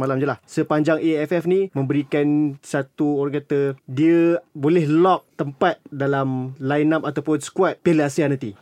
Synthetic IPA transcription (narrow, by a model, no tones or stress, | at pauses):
malamd͡ʒəlahsəpaɲd͡ʒaŋeɛfɛfnĩmə̃mbəɾikansat̪uoɾaŋkat̪ədiəbolɛhlɔk̚t̪əmpat̪̚dalamlajnap̚at̪awpʊnsə̥kuat̪̚peləasianãnt̪i